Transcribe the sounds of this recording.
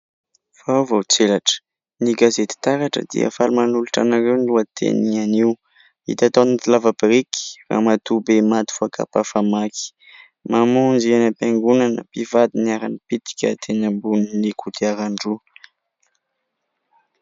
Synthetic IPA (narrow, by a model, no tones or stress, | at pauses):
v̥awvowt͡selaʈ͡ʂə̥ | niɡazet̪i̥t̪aɾaʈ͡ʂə̰d̪ḭə̰falumanuluʈ͡ʂa̰naɾewniluat̪ʰḛnianiw | ḭt̪at̪onit̪ilavabɾiki̥ra̰mat̪ubemat̪i̥fuaka̰pafamaki̥ | mamund͡ʒienəpjaŋɡunanə̰pivad̪iniaɾanipit̪i̥kʲə̰t̪ʰenəmbuninikʰut̪iaɾaɳɖ͡ʐu